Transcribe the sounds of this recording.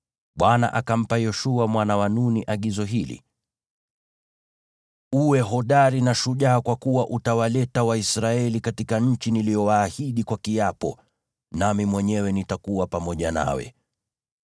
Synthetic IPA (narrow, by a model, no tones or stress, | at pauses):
ɓwana̰ʔakam̩pajɔʃuamwanawanuniʔaɠizɔɦilḭ | uwɛɦɔɗaɾinaʃuʄaːkwakuwaʔutawalɛtawaisɾaɛlikatikaɲ̩t͡ʃinilijɔwaːhiɗikwakiapɔ̰ | namimwɛɲɛwɛnitakuwapamɔʄana̰wɛ̰